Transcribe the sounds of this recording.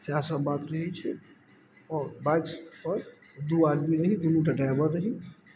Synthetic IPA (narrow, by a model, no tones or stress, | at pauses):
sjaːsəbaːt̪ɾɐɦit͡ʃʰɛ | ɔːɾbãɪkspɐɾ | d̪uaːɾbiɾɐɦĩd̪unuʈɐʈajbəɾːɐɦĩ